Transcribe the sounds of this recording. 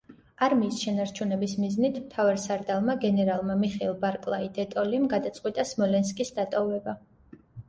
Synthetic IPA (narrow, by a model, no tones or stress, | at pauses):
aɾmiːsʃɛnaɾt͡ʃʰunɛbismiznit̪ʰmt̪ʰavaɾsaɾd̪alˠmaɡɛnɛɾalˠmamiχɛilˠbaɾkʼlˠaid̪ɛt̪ʼɔlimɡad̪at̪sʼqʼwit̪ʼasmɔlɛnskʼisd̪at̪ʼɔvɛba